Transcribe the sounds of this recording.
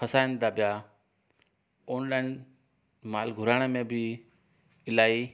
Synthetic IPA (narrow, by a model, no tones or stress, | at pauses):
pʰəsaːɪnd̪aːpɪjaː | oːnlaːɪn | maːlɡʱʊɾaːɽ̃emẽːbʱɪ | ɪlaːiː